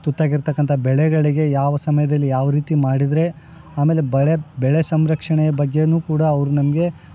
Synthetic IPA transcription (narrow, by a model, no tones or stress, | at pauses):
t̪ut̪ːaːɡiɾt̪ɐkːɐnt̪ʰɐbɛɭɛɡɐɭiɡe̞jaːʋɐsɐmɐjɐd̪ɐlːijaːʋɐɾiːt̪imaːɽid̪ɾe̞ | aːme̞ːle̞bɭebɛɭesɐmɾɐkʂɐɳɛjɐbɐɡːe̞nuːkuːɽaːʋɾunɐmɐɡe̞